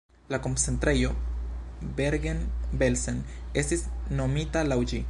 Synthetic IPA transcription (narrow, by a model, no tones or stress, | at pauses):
lako̞nt͡se̞nt̪ɾe̞jo̞ | beɾɡenbe̞lsene̞stisno̞mitalawd͡ʒi